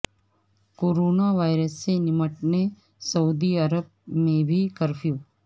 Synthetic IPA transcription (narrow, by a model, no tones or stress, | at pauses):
koːɾoːnaʋajɾəsːenɪməʈne | səud̪iəɾəb̚mẽbʱikəɾfjoː